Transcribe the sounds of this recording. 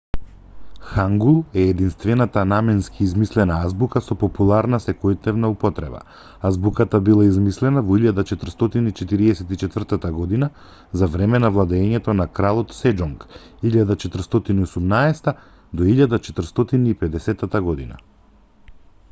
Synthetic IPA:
xaŋɡulˠɛːd̪inst̪vɛnat̪anamɛnskʰiːzmislɛnaazbukasɔpɔpulˠaɾnasɛkɔjt̪nɛvnaupɔt̪ɾɛ̰ba̰ | azbukat̪abilˠaizmislɛnavɔiʎad̪at͡ʃɛt̪r̩st̪ɔt̪init͡ʃɛt̪iɾiɛsɛt̪it͡ʃɛt̪vr̩t̪at̪aɡɔd̪ina | zavɾɛmɛnavlˠad̪ɛːɲɛt̪ɔnakɾalˠɔt̪sɛd͡ʒɔŋkiʎad̪at͡ʃɛt̪r̩st̪ɔt̪iniɔsumnaɛst̪a | d̪ɔiʎad̪at͡ʃɛt̪r̩st̪ɔt̪iniːpɛd̪ɛsɛt̪at̪aɡɔd̪ina̰

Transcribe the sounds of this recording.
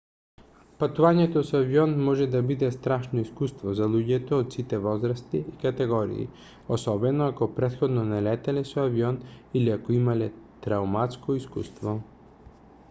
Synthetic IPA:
pat̪uvaɲɛt̪osaviɔnmɔʒɛd̪abid̪ɛst̪ɾaʃnoiskust̪vozalˠuɟɛt̪oːt̪sit̪ɛvɔzɾast̪iikat̪ɛɡɔɾḭḭ | osɔbɛnoakopɾɛt̪xɔd̪nonɛlɛt̪ɛlɛsoaviɔniliakoimalɛt̪ɾaumat̪skoiskṵst̪vɔ

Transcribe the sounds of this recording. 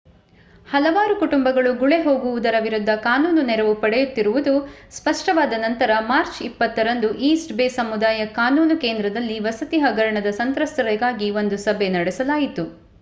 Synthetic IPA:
hɐlɐʋaːɾukuʈumbɐɡɐɭuɡuɭe̞ɦo̞ːɡuʋud̪ɐɾɐʋiɾud̪ːɐkaːnuːnunɛɾɐʋupɐɽɛjut̪ːiɾuʋud̪uspɐʂʈɐʋaːd̪ɐnɐnt̪ɐɾɐmaːɾt͡ʃipːɐt̪ːɐɾɐnd̪uʔiːsʈbeːsɐmud̪aːjɐkaːnuːnuke̞ːnd̪ɾɐd̪ɐlːiʋɐsɐt̪iɦɐɡɐɾɐɳɐd̪ɐsɐnt̪ɾɐst̪ɐɾɛɡaːɡiʋo̞nd̪usɐbʱenɐɽɛsɐlaːjit̪u

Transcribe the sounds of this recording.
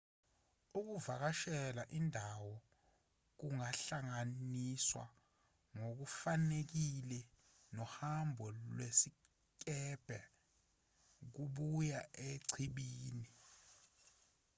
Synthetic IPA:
uk̬uvak̬aʃɛlaʔindʱawɔ | k̬uŋaɬaŋaniswa̰ | ŋok̬ufanek̬ilɛ | nɔhambʱɔlwesi | k̬ʼɛb̥ʱɛ | k̬uɓujaʔeǀʰiɓiːni

